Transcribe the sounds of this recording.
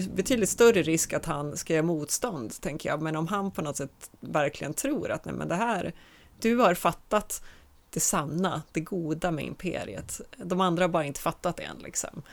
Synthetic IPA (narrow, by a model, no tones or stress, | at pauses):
bɛt̪ʰyːd̪lɪt̪st̪œrəɾɪskat̪hanskajɛːmuːt̪st̪ɔnd̪t̪ʰɛŋkəjɑ̰ːmɛnɔmɦanpʰɔnɔt̪sɛt̪ːvæɾklɪɡənt̪ʰɾuːɾa̰t̪nɛ̰mɛ̰nd̪ɛɦæːɾ | d̪̥ɵhaɾfat̪ːat̪ | d̪̥ɛsanːad̪̥ɛɡuːd̪amɛ̰ɪ̰mpʰḛːɾɪ̰ə̰t̪d̪ɔmand̪ɾahaɾbɑːɾaɪnt̪ə̥fat̪ːat̪d̪ɛ̰nlʔɪ̰ksɔ̰m